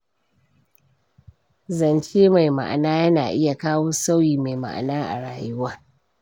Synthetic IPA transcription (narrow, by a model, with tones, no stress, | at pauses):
zɐ˨nt͡ʃeː˦ma˨jma̰˨ʔa̰˨naː˦jɐ˦naː˨ʔɪ˦ja˨kaː˦woː˦sa˦wjiː˨ma˨jma̰˨ʔa̰˨naː˦ʔa̰˨ɽaː˨jʊ˦waː˦